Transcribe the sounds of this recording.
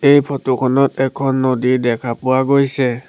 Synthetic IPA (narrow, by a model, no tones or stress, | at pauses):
ejpʰɔtukʰɔnɔtɛkʰɔnːodidɛkʰapʊwaɡojsɛ